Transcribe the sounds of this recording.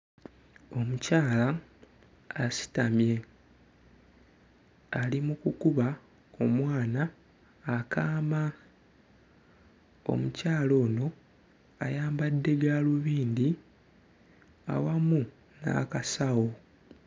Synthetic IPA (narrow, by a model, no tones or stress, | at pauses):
o̞mucaːla | asi̥tamje̞ | alimukukuβa | omwaːnaː | kʰaːma | o̞̰mucaːlo̞ːno̞ | ajaːmbadːe̞ɡaluβiːnd̪i | a̰wamu | na̰kasawo̞